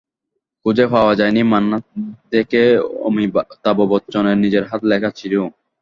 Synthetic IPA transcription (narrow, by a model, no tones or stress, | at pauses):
kud͡ʑefaoad͡ʑajnimanːad̪ekeo̰mit̪abobɔtːt͡ɕoneɾnid͡ʑeɾɦat̪lɛkʰat͡ɕʰilu